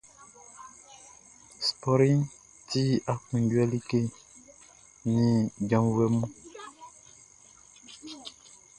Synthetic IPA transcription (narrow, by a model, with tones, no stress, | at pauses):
spɔ˨ɾi˦ŋ | ti˦a˨kũ˨ndwɛ˦li˦ke˦˨ | nĩ˨d͡ʒã˨˦mwɛ˦mũ˦